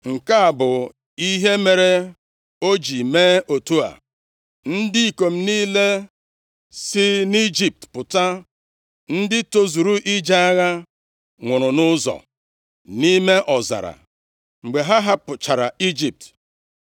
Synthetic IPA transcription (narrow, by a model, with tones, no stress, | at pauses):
ŋ̩˨ka˦a˨bʊ˨ | i˦ɦe˦me˨ɾe˦ | o˦d͡ʒi˨meː˦o˨tu˦a̰˨ | n̩˦dɪ˦i˦˨ko˨m̩˦niː˦le˦ | sɪ˦ni˦d͡ʒi˨p̚tpʊ˨ta˦ | n̩˦dɪ˦to˦zu˨ɾu˦ʔi˦d͡ʒa˦a˦ɣa˦ | ŋʷʊ˨ɾʊ˨nʊ˦zɔ̰˨ | ni˦me˦ʔɔ˨za̰˨ɾa̰˨ | ŋ͡m̩˨ɡ͡be˨ɦa˦ɦa˦pʊ˨t͡ʃa˨ɾa̰˨i˦d͡ʒi˨p̚t